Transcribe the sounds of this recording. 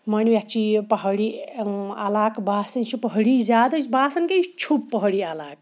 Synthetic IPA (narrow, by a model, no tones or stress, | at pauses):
mənwjat͡ʃʰipəɦəɽi | a̰laːkbaːsɐnt͡ʃʰipəɦəɽizaːd̪ɐt͡ʃbaːsɐnket͡ʃʰupːəɦɽialaːk̚